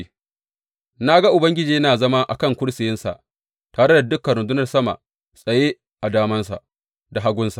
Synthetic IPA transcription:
na˦ɡa˦ʔʊ˨bɐ˦ŋɡʲɪ˦d͡ʒiː˨˦naː˨zɐ˦ma˦ʔa̰˨kɐ˦˨ŋkʷʊ˦ɽsɪ˨jɪ˦nsa̰˨ʔ | taː˨ɽe˦da˨dʊ˦kːɐ˨n˨ɾʊ˨ndʊ˦nɐ˨rsɐ˦ma̰˨ʔ | sʼɐ˨je˦ | ʔa˨daː˦mɐ˦nsa̰˨ʔ | da˨ɦa˦ɡʷʊ˦nsa˨ʔ

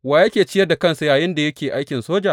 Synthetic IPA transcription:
waː˨jɐ˦kʲeː˨t͡ʃɪ˦jɐ˦da˨kɐ˦nsu˨jaː˨jɪ˦nda˨jɐ˦kʲeː˨ʔa˦jkʲɪ˨nsoː˦d͡ʒaː˨

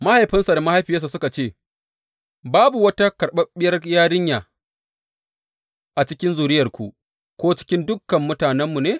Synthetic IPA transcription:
ma˦ha˨jɸɪ˦nsa˨da˨ma˦ha˦jɸɪ˨ja˦s̬a˨sʊ˦ka˨t͡ʃeː˦˨ | baː˦bu˨wɐ˦ta˦kɐ˨rɓɐ˦ɓɪ˦jɐ˦rjaː˦ɽɪ˦ɲjaː˨ | ʔa˨t͡ʃɪ˦kʲɪ˦nzuː˨ɾɪ˦jɐ˨rkʷu˨ | kʷoː˦t͡ʃɪ̥˦kʲɪ˦ndʊ˦kːɐ˨mːʊ˦taː˨nɛ˦mːu˨neː˦

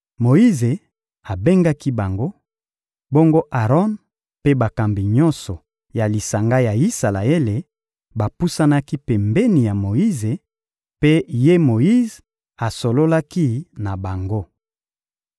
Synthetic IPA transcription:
mo˨i˦ze˨ | a˨be˦ŋɡa˦ki˦ba˨ŋɡo˦ | bo˦ŋɡo˦ʔa˨ʁɔ˦n | pe˦ba˨ka˨mbi˨ɲɔ˦nsɔ˨ | ja˨li˨sa˨ŋɡa˦ja˨i˦sa˨la˨e˦le˨ | ba˨pu˦sa˦na˦ki˦pe˨mbe˦ni˨ja˨mo˨ji˦ze˨ | pe˦je˦mo˨ji˦z | a˨so˨lo˦la˦ki˦na˨ba˨ŋɡo˦

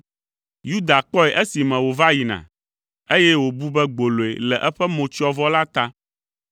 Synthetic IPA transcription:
ju˦d̪a˨k͡pɔ˦ɛ˨ʔɛ˦si˨mɛ̃˨wo˨va˦ji˨nã̰˨ | e˦jɛ˦wo˨bu˦bɛ˦ɡ͡bo˨lo˨ḛ˨lɛ˨ʔɛ˦ɸɛ˦mõ˨t͡ʃi˦ɔ˦vɔ˦la˦t̪a˦

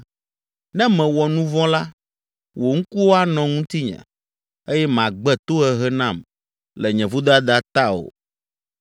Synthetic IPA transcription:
nɛ̃˦mɛ̃˨wɔ˨nũ˦vɔ̃˦la˦ | wo˨ŋ̩˦ku˦wo˦a˦nɔ̃˨ŋũ˦t̪i˦ɲɛ̰̃˨ | e˦jɛ˦m˨ã˨ɡ͡bɛ˦t̪o˦ɛ˨ɦɛ˦nã˦˨m | lɛ˨ɲɛ̃˨vu˦d̪a˦d̪a˨t̪a˦o̰˨

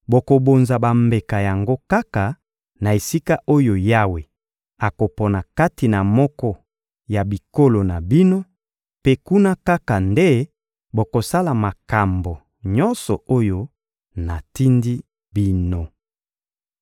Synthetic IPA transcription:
bo˨ko˨bo˨nza˨ba˨mbe˨ka˨ja˨ŋɡo˦ka˦ka˨ | na˨e˨si˦ka˦ʔo˦jo˨ja˦we˨ | a˨ko˨pɔ˨na˨ka˦ti˨na˨mɔ˦kɔ˦ | ja˨bi˨ko˦lo˨na˨bi˦no˦ | pe˦ku˦na˦ka˦ka˨nde˦ | bo˨ko˨sa˦la˨ma˨ka˨mbo˨ | ɲɔ̃˦nsɔ̰˨o˦jo˦ | na˨ti˦ndi˦ | bi˦no˨

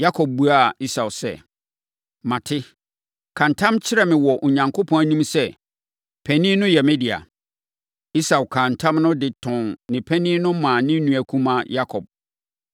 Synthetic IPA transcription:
ja˦kʰɔ˨b̚bu˦a˦˨i˦sa˨wsɛ̰˦ | mã˨tʰɪ˦ | kʰã˨n̩˨tʰã˦mt͡ɕʰɪ˦ɾɛ˦mɪ̃˨wɔ˨ʔo˨ɲã˨ŋkʰo˦pʰɔ̃˨˦æ˨nĩ˦msɛ˦ | pʰɛ˨nĩ˦nʊ̃˦jɛ˨mɛ˦di˨a̰˨ | i˦sa˨wkʰã˨n̩˨tʰã˦mnʊ̃˦dɪ˨tʰɔ̃˨nnɪ̃˨pʰɛ˦nĩ˦nʊ̃˦mãː˨nɪ̃˦nũ˨æ˨kʰũ˦mã˨ja˦kʰɔ˨b̚

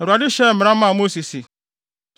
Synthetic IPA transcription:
ɾa˨dɪ˦ʃe˦me˨ɾa˦a˦˨˦mo˦si˨si˨

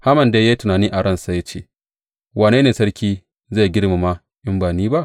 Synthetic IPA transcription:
ha˦mɐ˨nda˦jaː˦tʊ˨naː˨niː˦ʔa˨ɽɐ˦˨nsa˨ja˦t͡ʃḛː˦˨ | waː˨neː˦neː˨sɐ˦ɽkʲiː˦ | za˦˨ɡʲɪ˦ɽma˨ma˦ | ʔɪ˦mbaː˨niː˦ba˦ʔ

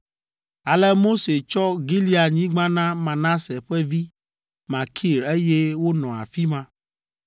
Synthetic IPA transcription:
a˨lɛ˦mo˦se˨t͡ʃɔ˦ɡi˦li˦a˨ɲĩ˦ɡ͡bã˦nã˦mã˨nã˦se˨ɸɛ˦vi˦ | mã˨kʰi˦˨ɾe˦jɛ˦wo˦nɔ̃˨a̰˨fi˦mã˦

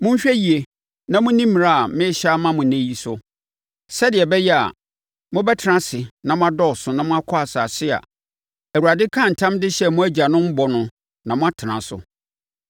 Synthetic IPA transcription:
mʊ̃˦m˦ɕᶣɛ˦ji˨e˨ | nã˨mʊ̃˦nĩ˦m̃˨a˦a˨mɪ̃˦ɕa˦mã˦mʊ̃˨næ̃˦ji˦sʊ˦ | sɛ˦dɪ˨ɛ˨bɛ˦jɛ˦a̰˨ | mʊ̃˦bɛ˦tʰɪ˨˦ã˦sɪ˨nã˨mʊ̃˦a˦dɔ˦ɔ˨sʊ˨nã˨mʊ̃˦a˦kʰɔ˦a˨saː˨sɪ˦a̰˨ | æ˨wu˨ɾa˨dɪ˦kʰã˦˨n̩˨tʰã˦mdɪ˦ɕɛ˦mʊ̃˦æ˦d͡ʑa˨nʊ̃˦m̩˦bɔ˨nʊ̃˦ | nã˨mʊ̃˦a˦tʰɪ˨nã˨sʊ̰˨

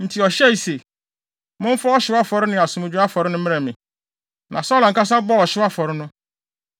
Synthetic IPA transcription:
n̩˨tʰi˨ɔ˨ɕɛ˦˨i˨se˨ | mʊ̃˦ɱ̩˦fa˦ɔ˦ɕɪ˦wa˦fɔ˨ɾɪ˦nɪ̃˨a˨sʊ̃˨mʊ̃˨d͡ʑᶣu˦a˦fɔ˨ɾɪ˦nʊ̃˦mɪ̃˦ɾɛ̃˨mɪ̃˨ | nʔã˨sɔː˦la˨ŋ̩˨ka˦s̬a˦bɔ˦ɔ˨ɕɪ˦a˦fɔ˨ɾɪ˦nʊ̃˦

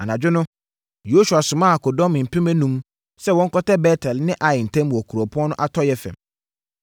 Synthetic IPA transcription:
a˨nã˨d͡ʑᶣʊ˦nʊ̃˦ | jo˦su˨a˨sʊ̃˨mã˦a˨ko˨dɔ̃˦mɪ̃˨m̩˨pʰĩ˦mɛ̃˦nũ˦m | sɛ˦wɔ̃˦ŋ̩˦kɔ˦tɛ˦bɛː˦tʰɛ˨lnɪ̃˦ʔa˨jɪ˨n̩˨tʰɛ̃˦m˨ɔ˨kʰu˨ɾo˨pʰʊ˦ɔ̃˦nʊ̃˦ʔa˦tʰɔ˦jɛ˦fɛ̰̃˨m

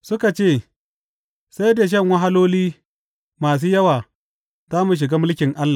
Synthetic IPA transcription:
sʊ˦ka˨t͡ʃeː˦˨ | sa˦jda˨ʃ̬ɐ˦˨ŋwa˦ɦa˦loː˦liː˦ | maː˨s̬uː˦jɐ˦waː˨ | zaː˦mu˨ʃ̬ɪ˨ɡaː˦mʊ˦lkʲɪ˨ŋʔa˦lːa˨

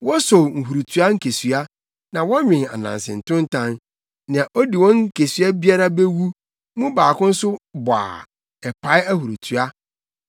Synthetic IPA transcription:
wɔ˦so˨ŋ̩˨ɦu˨ɾu˨tʰu˦a˦ŋ̩˦kʰe˨sɥa˦ | nã˨wɔ˦ɲᶣɪ̃˨na̰˨nã̰˨n˨sɪ̰˨n̩˨tʰʊ̃˦n̩˦tʰã˦n | nɪ̃˨a˨ʔɔ˦di˨wɔ̃˦ŋ̩˦kʰe˨sɥa˦bi˦a˦ɾa˦be˦wu˦ | mʊ̃˦baː˨kʊ̃˦n̩˦sʊ˦bɔ˨a̰˨ | ɛ˨pʰa˨˦ɪ˦æ˦hu˨ɾu˨tʰu˨a˦

